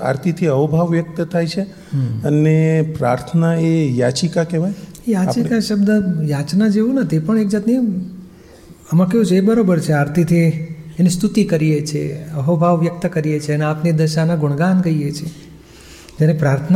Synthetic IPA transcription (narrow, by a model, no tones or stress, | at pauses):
a̰ɾt̪ʰit̪ʰiəʋbʱaʋːjək̚t̪ət̪ʰajt͡ʃʰe | ənepɾa̰ɾt̪ʰənaejat͡ʃikakeʋajejat͡ʃikaʃəbd̪əjat͡ʃnad͡ʒeʋũnət̪epəɳek̚d͡ʒat̪ni | əmãkeɦũt͡ʃʰeebəɾobəɾt͡ʃʰeaɾt̪ʰit̪ʰiːnist̪ut̪ikəɾijet͡ʃʰḛəɦobʱaʋʋjək̚t̪əkəɾijet͡ʃʰeəneapnid̪əʃanaɡʊɳ̃ɡankəijet͡ʃʰie | d͡ʒeɾepɾaɾt̪ʰən